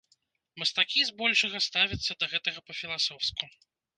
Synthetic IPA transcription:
mɐst̪akʲizbɔlʲʂɐɣɐst̪avʲit̪sːɐd̪ɐɣɛt̪ɐɣɐpɐfʲilˠasɔwsku

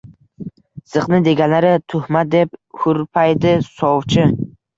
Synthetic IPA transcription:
sɨqnɪd̪e̞ɡʲanlaɾɪt̪ʰʊhmad̪e̞p̚hʊɾpʰajd̪ɪsɒwt͡ʃʰɪ

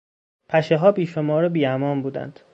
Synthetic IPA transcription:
pʰæʃeɦɒːbiːʃomɒːɾebiːæmɒːnbuːd̪æ̰nd̪̥

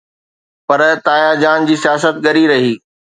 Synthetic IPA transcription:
pɐɾt̪aːjad͡ʑaːnd͡ʑiːsijaːsət̪̚ɠɐɾiɾɐɦiː

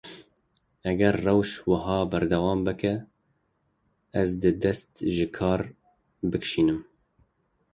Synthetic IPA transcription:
ɛɡɛɾːɛwʃwɨɦɑːbæɾd̪ɛwɑːmbɨkɛ | zd̪ɨd̪ɛst̪ʒɨkʰɑːɾ | bɨkʃiːnɨm

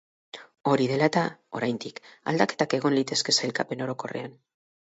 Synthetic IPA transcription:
o̞ɾiðe̞lat̪ao̞̰ɾajnd̪ika̰ld̪ake̞t̪ake̞ɣ̞o̞nlit̪e̞ske̞sajlkape̞no̞ɾo̞ko̞re̞̰an

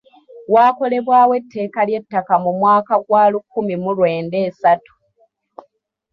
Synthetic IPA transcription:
waːko̞le̞βwaːwe̞tʰːe̞ːkalje̞tːakamumwaːkaɡwaːlukːumimulwe̞ːnde̞ːsatu̥

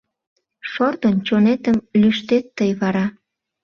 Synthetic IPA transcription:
ʃort̪ənt͡ɕonet̪əmlyʃt̪et̪ːəjβɑɾɑ

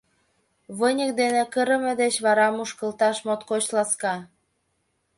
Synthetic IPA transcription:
βənʲək̚d̪enekəɾə̆med̪et͡ɕβɑɾɑmuʃkə̆lt̪ɑʃmot̪kot͡ɕlɑskɑ

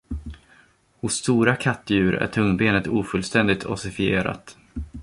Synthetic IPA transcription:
hʊsːt̪uːɾakʰat̪ːjʉ̟ːɾæ̰ʈʰɵŋːbeːnət̪uːfɵlst̪ɛnd̪ɪt̪ʰɔ̰sɪfɪeːɾa̰t̪

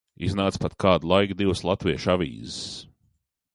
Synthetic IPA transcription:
iznaːt̪spat̪kʰaːd̪lˠajɡd̪iwslˠat̪viɛʃavʲḭːzɪs

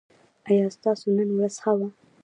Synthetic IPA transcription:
ajɑst̪ɑsonənwɾaz̥xawa

